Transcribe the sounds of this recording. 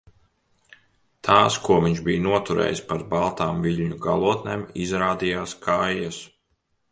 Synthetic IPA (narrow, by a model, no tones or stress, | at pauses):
t̪ʰaːskuɔviɲʒbijnuɔt̪uɾɛ̰ːjspaɾbalˠt̪aːmviʎʲɲuɡa̰lˠuɔt̪neːmizɾaːd̪ijaːskʰajɛs